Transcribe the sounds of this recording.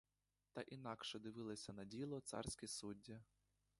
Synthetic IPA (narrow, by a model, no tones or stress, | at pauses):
t̪ɐʔinɑkʃɛd̪ɪʋɪlˠɔsʲɐnɐdʲilˠɔt̪sɑ̰rsʲkʲisudʲːɐ